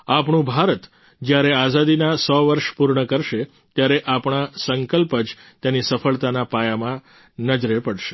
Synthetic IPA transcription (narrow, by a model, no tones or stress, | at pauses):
apɳ̃ũbʱaɾət̪ | d͡ʒjaɾeazad̪inasɔʋəɾʃpuɾɳəkəɾʃe | t̪jaɾeʔapɳ̃asəŋkəlpəd͡ʒt̪janisəfəɭt̪anapajamã | nəd͡ʒɾepəɽʃe̥